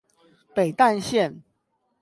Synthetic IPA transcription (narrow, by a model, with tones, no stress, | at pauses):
pe˨˩ɪt̪a˥˧nɕjɛ˥˨n